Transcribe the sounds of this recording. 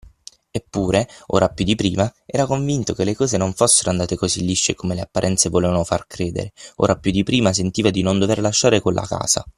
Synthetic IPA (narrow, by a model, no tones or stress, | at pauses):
epːuːɾeo̰ːɾapjud̪ːipɾiːmaɛːɾakoɱvint̪okelːekɔːzenoɱfosːeɾoand̪aːt̪ekozilːiʃːekomeleapːaɾʔɛnt̪sevoleːvanofarkɾeːd̪ḛɾeo̰ːɾapjud̪ːipɾiːmas̬ent̪iːvad̪inond̪overlaʃːaːɾekolːʔa̰ka̰ːz̥a̰